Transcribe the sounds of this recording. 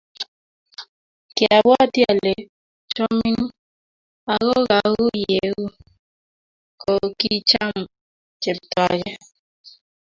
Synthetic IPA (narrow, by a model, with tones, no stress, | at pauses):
kɪ˨a˨bɔ˦˨tja˨le˨ | t͡ʃɔ˦mi˦n˦ | a˨ɣo˦ɣa˨˦ɣu˦je˨˦ɣu˦ | ko˨ki˦t͡ʃa˦m | t͡ʃe˨pta˨d͡ʒɛ˦